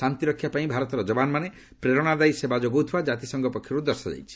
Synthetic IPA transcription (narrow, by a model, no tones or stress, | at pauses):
ant̪iɾɔkʰːjapaĩbʱaɾɔt̪ɔɾɔd͡ʒɔbanɔmane | pɾeɾɔɽ̃ad̪ajsebad͡ʒoɡot̪ʰiwad͡ʒat̪isɔŋɡɔpɔkʰjɔɾud̪ɔɾsɔd͡ʒa̰jt͡ʃʰi̥